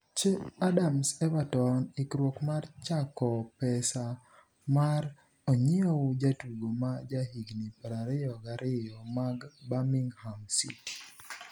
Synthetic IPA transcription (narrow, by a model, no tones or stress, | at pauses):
t͡ʃeadamsɛbatɔnikɾwokmart͡ʃakɔpɛsa | maɾ | oɲɪoʊd͡ʒatwuɡomad͡ʒahiɡnipɾaɾɪjɔɡaɾʔɪjɔmaɡbamiŋhamsḭ